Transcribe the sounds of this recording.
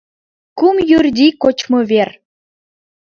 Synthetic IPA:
kumjyrd̪ʲikot͡ɕmoβer

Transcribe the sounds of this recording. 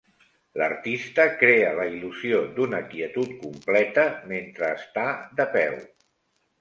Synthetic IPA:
lə̰ɾt̪ist̪əkɾeələiluziod̪unəkiət̪ut̪kumplɛt̪əment̪ɾəːst̪ad̪əpɛw

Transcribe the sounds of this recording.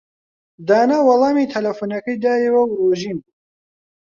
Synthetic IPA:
d̪aːnawɐlˠɑːmiːt̪ʰɐlɐfuːnɐkɐjd̪aːjewɐwɾoʒiːn

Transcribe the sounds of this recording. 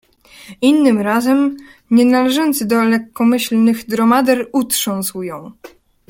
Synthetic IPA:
inːɘmɾazɛm | ɲɛnalɛʐɔnt̪sɘd̪ɔlɛkːɔmɘɕlnɘɣd̪ɾɔmad̪ɛɾut̪ʂɔ̃w̃sujɔ̃w̃

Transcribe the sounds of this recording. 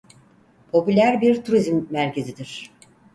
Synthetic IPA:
pʰo̞pylʲæɾbiɾt̪ʰuɾizmːæɾcʰe̞zid̪iɾ̥

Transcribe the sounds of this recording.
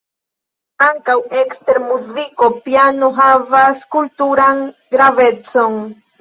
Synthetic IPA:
aŋkawekst̪eɾmuzikopjanoɦavaskult̪uɾaŋ | ɡɾave̞t͡soŋ

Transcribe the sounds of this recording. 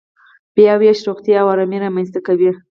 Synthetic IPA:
bjɑweʃɾoxt̪jaawaɾamiɾamanst̪akawi

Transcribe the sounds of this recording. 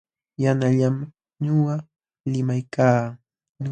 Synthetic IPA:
janaʎam | ɲʊɢa | lɪmajkaː | ɲ

